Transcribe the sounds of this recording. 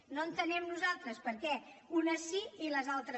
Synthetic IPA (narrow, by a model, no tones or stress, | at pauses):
noənt̪ənɛmnuzalˠt̪ɾəspəɾkɛunəsiiləzalˠt̪ɾə